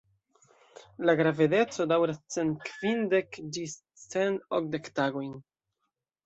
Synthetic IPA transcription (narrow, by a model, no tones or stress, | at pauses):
laɡɾavede̞t͡so̞dawɾast͡se̞nt̚kvindekd͡ʒis | t͡senok̚de̞ktaɡo̞jn